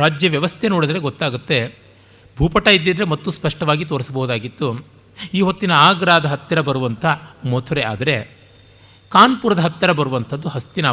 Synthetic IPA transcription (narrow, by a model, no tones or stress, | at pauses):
ɾaːd͡ʒjɐʋjɐʋɐst̪ʰenoːɽid̪ɐɾe̞ɡot̪ːaːɡut̪ːe̞ | bʱuːpɐʈːɐid̪ːid̪ɐɾemɐt̪ːuspɐʂʈɐʋaːɡit̪o̞ːɾisɐbɐɦud̪aːɡit̪ːu | iːɦot̪ːinɐaːɡɾaːd̪ɐɦɐt̪ːɐɾɐbɐɾuʋɐnt̪ʰɐmot̪ʰuɾea̰ːd̪ɐɾe̞ | kaːnpuːɾɐd̪ɐɦɐt̪ːɐɾɐbɐɾuʋɐnt̪ʰɐd̪ːuɦɐst̪inɐ